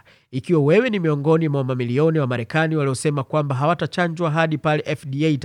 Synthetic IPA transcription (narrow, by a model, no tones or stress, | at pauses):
ikiwawɛwɛnimiɔŋɡɔnimawamamiliɔniwamaɾɛkaniwaliɔsɛmakwambaɦawatat͡ʃaɲd͡ʒwaɦaɗipalɛʔɛfdiɛt